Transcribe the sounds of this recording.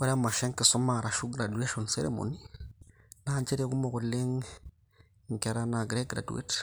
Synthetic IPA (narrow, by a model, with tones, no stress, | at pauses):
wa˦ɾa˦ma˨ʃe˦ŋki˨so˦ma˨ɾa˨ʃu˦ɡɾa˨du˨e˦ʃo˨nsḛ˦ɾḛ˨mo̰˨ni˦ | na˦nt͡ʃe˦ɾe˦ku˦mo˨ku˨lːe˦ŋ | ŋ˨ke˨ɾa˦na˨ɡɾe˦k̚ɡɾa̰˨dṵ˦ḛ˦t